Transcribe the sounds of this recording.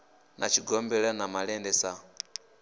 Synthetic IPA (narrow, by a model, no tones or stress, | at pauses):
nat͡ʃiɡɔmbɛlanamalɛndɛsa